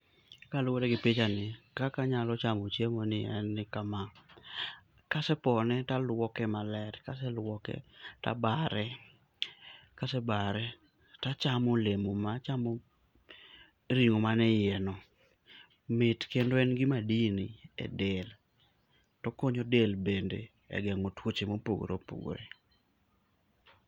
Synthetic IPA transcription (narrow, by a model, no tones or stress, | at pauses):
kalʊwoɾɛɡɪpit͡ʃanɪkakaɲalɔt͡ʃamot͡ʃemonɪɛnːɪkama | kasɛpɔnɛtalwɔkɛmalɛtkasɛlwɔkɛ̰ta̰baɾɛ | kasɛbaɾɛ | tat͡ʃamolemomat͡ʃamo | ɾiŋomanɛjɛnɔ | mɪtkendoɛnɡɪmadiniɛ̰del | tɔkoɲodelbendḛ | ɛ̰ɡɛŋotwot͡ʃemopo̰ɡ̰ɾo̰po̰ɡ̰ɾḛ